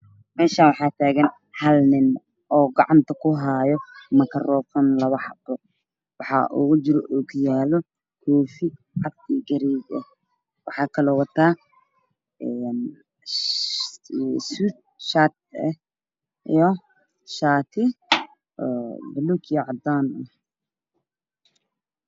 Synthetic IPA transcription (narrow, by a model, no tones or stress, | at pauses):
mɛːʃaːnwɑħɑːt̪ʰaːɣɐn | hɐlnɪn | ʔɔːɡɑʕɑnt̪ʰɐkʰʊɦaːjɔmɐkʰɐrɔːfɐnlɐβɐħɑbɔ | wɑħɑ̰ʔʊ̰ɣʊt͡ʃɪɾɔʔɔɡjaːlɔ | kʰɔːfɪ | ʕɑf̚t̪iːɡɐɾiːɡɛ̰ | wɑħɑːkʰɐlɔwɑt̪ʰaː | ɛn | sut̪̚ | ʃat̪̚ɛ | jɔ | ʃaːt̪ʰɪ | ɔbʊlukjɔʕɑd̪aːnʊ